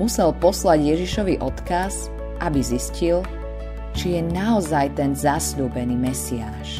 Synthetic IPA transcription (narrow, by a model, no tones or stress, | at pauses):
usɛlpɔslaɟjɛʒiʃɔʋiʔɔt̪kaz | ʔabiziscil | t͡ʃijɛnaɔzajt̪ɛnzasʎuːbɛniːmɛsiaːʃ